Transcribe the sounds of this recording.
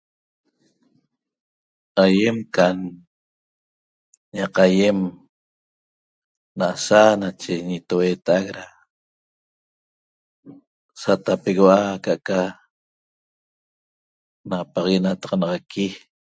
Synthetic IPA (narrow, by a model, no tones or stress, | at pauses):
aje̞mkan | ɲɑqajem | naʔasanat͡ʃeɲit̪oweːt̪aʔakɾa | sat̪apeɣoakaʔka | napɑʁɣenat̪ɑʁɑnɑʁɑkʰi